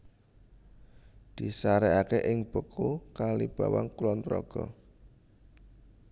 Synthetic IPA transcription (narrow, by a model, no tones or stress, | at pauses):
d̪̥i̤saɾɛakeʔɪŋb̥əkʰokalib̥awa̰ŋkulɔnt̪ɾɔ̰ɡ̥ɔ